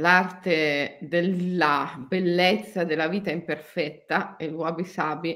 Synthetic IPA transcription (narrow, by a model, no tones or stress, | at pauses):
lart̪ed̪eabelːet̪sːad̪elːaviːt̪aimperfɛt̪ːaelwabisaːbi